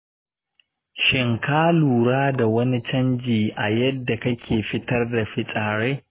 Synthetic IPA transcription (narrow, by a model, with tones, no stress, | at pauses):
ʃɪ˨ŋkaː˦luː˨ɽaː˦da˨wɐ˦ni˦t͡ʃɐ˦nd͡ʒiː˨ʔa˨jɐ˦dːa˨kɐ˦kʲʰeː˨ɸɪ˦tɐ˦rda˨ɸɪ˦sʼaː˨ɽeː˦